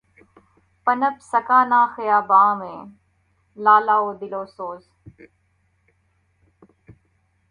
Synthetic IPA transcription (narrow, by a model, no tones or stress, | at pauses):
pənəpsəkaːnaːxɪjaːbãːʋẽː | laːlaːoːd̪ɪloːsoːz